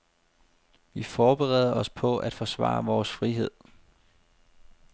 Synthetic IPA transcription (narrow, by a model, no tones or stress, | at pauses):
ʋifɒːb̥eʁɛ̰ːð̞ˠɐɒ̽spʰɒ̽ʔæd̥fɒ̽sʋɑ̰̈ːʋɒːsfʁiɦe̝ð̞̰ˠ